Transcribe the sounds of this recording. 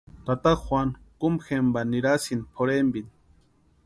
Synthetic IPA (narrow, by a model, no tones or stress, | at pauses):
t̪at̪aχxʷwʷankumxembaniɾasinpʰoɾembin